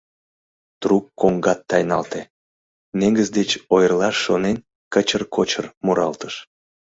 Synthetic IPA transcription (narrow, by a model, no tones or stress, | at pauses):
t̪rukːoŋɡɑt̪ːɑjnɑlt̪e | neŋɡəzd̪et͡ɕojərlɑʃːonen | kət͡ɕərkot͡ɕərmuɾʔɑ̰lt̪əʃ